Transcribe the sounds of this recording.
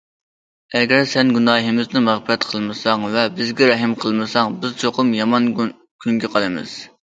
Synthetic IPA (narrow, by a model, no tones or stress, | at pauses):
ɛɡʲɛɾsɛnɡunɑːɦɪmɪznɪmæʁbɪɾɛt̪qʰəlˠmɨsɑŋvɛbɪzɡʲɛɾɛɦɪmqʰəlˠmɨsɑŋbɪzt͡ʃʰoqʊmjɑmɑn | kʲʰyŋɡʲɛqʰɑlˠɨmɨ̰z̥